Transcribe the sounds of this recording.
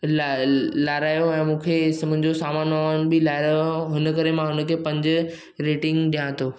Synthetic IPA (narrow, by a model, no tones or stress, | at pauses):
llaːɾaːjoɛ̃ːmũːkʰesɐmʊ̃ɦɪ̃ɲd͡ʑosaːmaːnaːn̆bɪlaːɪɾaːoɦʊnə̆kɐɾemãɦʊnə̆kʰeːpɐ̃ɲd͡ʑʊ | ɾeːʈɪ̃ŋɡɗijãt̪ʰoː